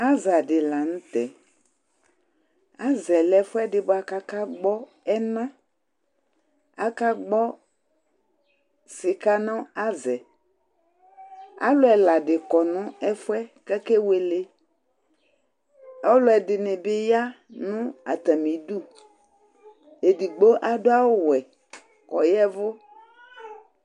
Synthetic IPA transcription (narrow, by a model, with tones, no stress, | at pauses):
a˦za˨ɖɪ˨la˨ŋũ˦t̪ɛ˨ | a˦zɛ˨lɛ˨fɛ˦ɖɪ˨bo˨˦a˨ka˦ka˦ɡ͡bɔ˦ | ɛ˦nã˦ | a˦ka˦ɡ͡bɔ˦ | si˨ka˦nɔ̃˦a˦zɛ˨ | a̰˦lʊ˦ɛ˨la˨ɖɪ˨kɔ˨nʊ̃˦ɛ˦fʊ˦ɛ˦kɛ˦ke˦we˨le˦ | a˦wlʊ˦ɛ˨dɪ˨nɪ̃˨bɪ˦ja˦ | nũ˦a̰˨t̪a˨mĩ˨du˦ | e˨di˨ɡ͡bo˦ʔa˦do˦a˦wo˦wɛ˨ | kɔ˨jɛ˦vʊ˦